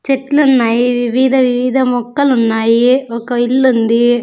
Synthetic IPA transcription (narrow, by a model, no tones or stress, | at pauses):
t͡ʃɛʈːlʊnːaːjiʋɪʋiːd̪ɐʋɪʋiːd̪ɐmɔkːɐlʊnːaːjiɔkːɐɪlːɯnd̪ɯ